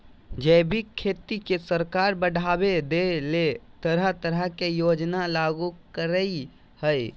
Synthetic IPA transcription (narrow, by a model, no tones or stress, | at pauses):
d͡ʒɛbʱikʰːet̪ikesəɾkaɾbəɽʱabed̪elet̪əɾət̪əɾəkejod͡ʒnalaɡukəɾəj | həj